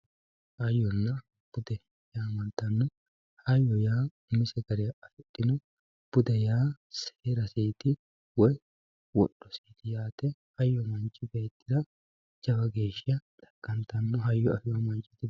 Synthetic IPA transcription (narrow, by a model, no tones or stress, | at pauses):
ʔɐjːɔnːɐ | b̥ʊd̪ɛ | jaːmɐnt̪ɐnːɔ | hɐjːɔjaːʊmːɪsɛɡɐɾeɐfɛt̪ʼːɪnɔ | b̥ʊd̪ɛjaː | se̥ːɾɐsiːt̪ɪ | wɔj | wɔɗːɔsiːt̪ɪjaːt̪ɛhɐjːɔmɐnt͡ʃʼːɪbeːt̪ːɪd̪ɐ | d͡ʒɐbɐɡe̞ːʃːɐt̪ʼɐ̥kʼːɐnt̪ɐnːɔɦɐjːɔɐfɪjwɔmɐnt͡ʃʼːɪ̥t̪ɪ